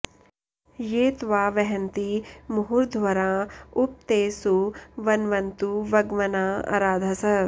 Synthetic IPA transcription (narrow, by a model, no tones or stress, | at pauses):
jeːt̪ʋaːʋɛɦɐnt̪imʊɦuɾd̪ʱʋɐɾãːʊp̚t̪eːsuʋɐnʋɐnt̪uʋɐɡʋɐnaːa̰ɾaːd̪ʱɐsɐ